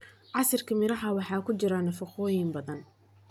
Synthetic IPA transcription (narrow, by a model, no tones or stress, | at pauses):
ʕɑsɐrkʰɐmɪɾɐɦɐwɑħɑːkʰʊt͡ʃɪɾanːɐfɑqɔːjɪmbɐðɐn